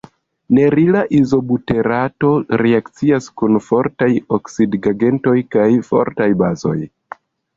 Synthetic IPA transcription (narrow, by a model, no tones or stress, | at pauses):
ne̞ɾilaʔizo̞bute̞ɾato̞ɾeakt͡siaskunfo̞ɾtajoksidɡaɡe̞nto̞jkajfo̞̰ɾtajbazo̞̰j